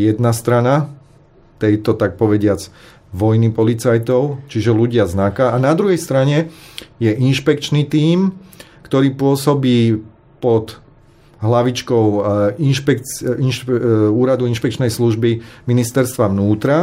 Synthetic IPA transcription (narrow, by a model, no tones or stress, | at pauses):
jɛd̪nast̪ɾana | t̪ɛjt̪ɔt̪ak̚pɔʋɛɟɪad͡z | ʋɔjnipɔlit͡sajt̪ɔʊt͡ʃiʒɛluɟɪaznakaːnad̪ɾuɦɛjst̪ɾaɲɛjɛʔinʃpɛkt͡ʃniːt̪iːm | kt̪ɔɾiːpʊɔsɔbiː | pɔd̪ | ɦlaʋit͡ʃkɔʊinʃpɛkinʃuːɾad̪uinʃpɛkt͡ʃnɛjsluʒbiminist̪ɛɾst̪ʋaʋnuːt̪ɾa